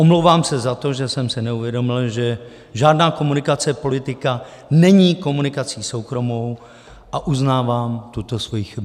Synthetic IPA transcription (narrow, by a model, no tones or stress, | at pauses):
ʔomlowvaːmsɛzat̪o̞ʒɛsɛmsɪnɛuvjɛdo̞mɪlʒɛ | ʒaːdnaːko̞munɪkat͡sɛpo̞lɪt̪ɪka | nɛɲiːko̞munɪkat͡siːso̞wkɾo̞mo̞w | ʔaʔuznaːvaːmt̪ut̪o̞svojixɪb